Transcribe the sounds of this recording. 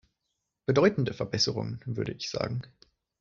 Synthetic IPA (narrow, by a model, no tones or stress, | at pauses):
b̥ədɔʏtn̩dəfɛɐbɛsəʁʊ̰ŋənvʏɐɾəʔɪçz̥a̰ːɡŋ̩